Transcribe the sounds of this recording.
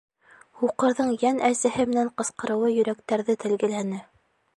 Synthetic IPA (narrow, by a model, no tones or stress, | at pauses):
huqɤ̆ɾðɤɴjænʔæsɘ̆hɘmɘ̆næɴqɤ̆sqɤ̆ɾɤ̆wɤjɵ̆ɾækt̪æɾðɘt̪ɘ̆lɡɘ̆lænɘ